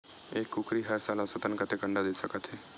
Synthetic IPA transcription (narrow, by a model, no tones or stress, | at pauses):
eːkːʊkʰɾiːɦəɾsaːlãːsət̪ənkət̪eːkə̃ɳɖad̪eːsəkət̪ʰeː